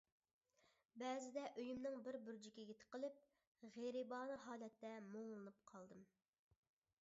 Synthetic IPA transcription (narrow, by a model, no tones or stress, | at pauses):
bɛːzɪd̪ɛʔøjymnɪŋbɪɾbyɾd͡ʒikʲeɡʲet̪ʰɪ̥qʰəlˠɪp̚ | ʁeɾibɑːnɨɦɑːlɛt̪ːɛmoŋlˠɨnup̚qʰɑlˠd̪ɨm